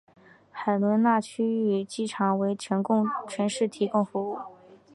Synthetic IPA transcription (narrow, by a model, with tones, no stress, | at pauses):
xa˨˩ɪlwə˧˥nna˥˩t͡ɕʰy˥y˨˩t͡ɕi˥˩ʈ͡ʂʰɑ˨˧˩ŋwe˧˥ɪʈ͡ʂʰə˧˥nkʊ˥˧ŋt͡ɕʰɥɛ˧˥nʂɻ̩˥˩t̪ʰi˧˥kʊ˥˩ŋfu˧˥u˥˩